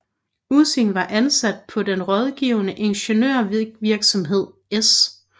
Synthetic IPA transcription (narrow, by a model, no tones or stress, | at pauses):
use̝ŋʋɑ̈ʔænsæd̥̚pʰɒ̽d̥enʁɒ̽ð̞ˠɡ̥iʊnəʔe̝nɕənøɐ̰ʋiɐɡ̥sɒ̽mɦe̝ð̞̰ˠ | es